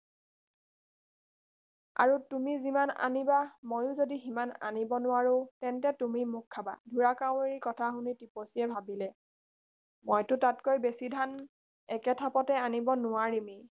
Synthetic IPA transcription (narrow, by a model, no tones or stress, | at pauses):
a̰ɹutumizimana̰nibamojʊzodiɦimana̰nibɔnʊwaɹʊ̃tɛntɛtumimʊkʰːaba̰dʱuɹakaʊ̃eɹikɔtʰaxʊnitipɔsiɛbʱabilɛ | mojtʊtatkojbesidʱan | ɛkɛtʰapɔtɛanibɔnʊwaɹimi